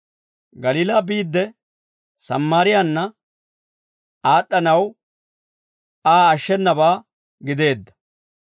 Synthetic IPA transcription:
ɡɐliːlaːbiːd̪ːɛ | sɐ̰mːaːɾɪjanːɐ | aːɗːɐnɐw | aːɐʃːɛnːɐbaː | ɡɪd̪e̞ːd̪ːɐ̥

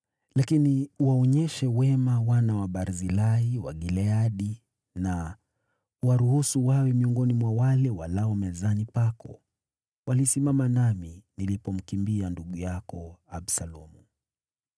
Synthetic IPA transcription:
lakiniuwaɔɲɛʃɛwɛmawanawaɓaɾzilaiwa̰ɠilɛaɗi | na | uwaɾuhusuwawɛmiɔŋɡɔnimwawalɛwalaɔmɛzanipakɔ̰ | walisimamanaminilipɔm̩kimbianduɠujakɔaɓsalɔmu

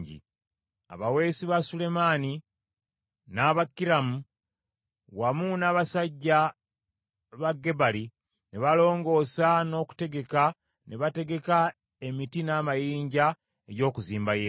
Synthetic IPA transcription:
ɟḭ | a̰βawe̞siβasule̞mani | naβakːiɾamu | wamunaːβasaɟːa | βaɡːe̞bali | neβalo̞ːŋɡo̞ːsano̞ːku̥te̞ɡe̞ka | neβate̞ɡe̞ka | e̞mitinaːmajiːɲɟa | e̞ɟo̞ːkuziːmbaje

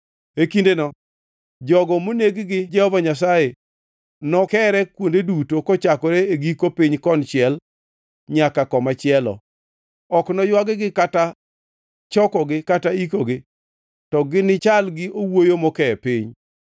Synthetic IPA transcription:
ekindenɔ | d͡ʒɔɡɔmoneɡɡɪd͡ʒɛhɔvaɲas̬aje | nɔkɛɾɛkwondedutokɔt͡ʃakɔɾeeɡikopiɲkɔnt͡ʃɪɛl | ɲakakɔmat͡ʃɪɛlɔ̰ | ɔknɔjwaɡɪɡɪkata | t͡ʃɔkɔɡɪkataikoɡɪ | tɔɡɪnɪt͡ʃalɡɪʔowojomɔkɛpɪɲ

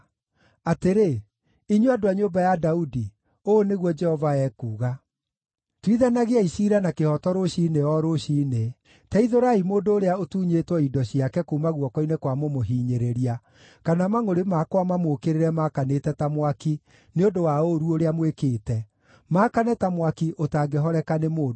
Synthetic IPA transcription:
ateɾe | iɲweadoaɲombajadaudi | oːneɣwɔd͡ʒɛhɔvaɛkuːɣa | twiðanaɣeaiʃiɾanakehɔtɔɾoɕineɔɾoɕiːne | taiðoɾaimoːndoːɾeaotuːɲetwɔidɔɕiakɛkuːmaɣwɔkɔinekwamomoɦiːɲeɾeɾia | kanamaŋoɾemakwamamokeɾeɾɛmakanetɛtamwaki | neondowaoɾuoɾeamwekeːtɛ | makanɛtamwakiʔotaːɡeɦɔɾɛkanemoː

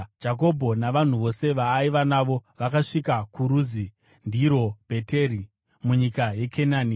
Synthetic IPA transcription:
d͡ʒak̬o̞bʱo̞naʋan̤uʋo̞se̞ʋaːiʋanaʋo̞ʋakaʂikakuɾuːzi | ndiɾo̞b̥ʱe̞teːɾi | muɲikaje̞kʰenaːni

